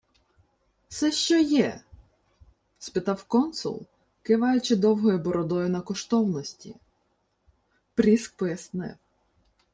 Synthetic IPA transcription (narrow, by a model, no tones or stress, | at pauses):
sɛʃt͡ʃɔjɛ | spɪt̪ɑwkɔnsʊ̰lˠ | kɪʋɑjʊt͡ʃɪd̪ɔwɦɔjʊbɔɾɔd̪ɔjʊnɐkɔʃt̪ɔwnɔsʲtʲḭ | pɾʲisk̚pɔjɐsnɪ̰w